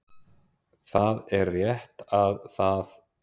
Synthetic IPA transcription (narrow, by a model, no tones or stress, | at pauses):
θaðɛɾrjɛht̪aðθað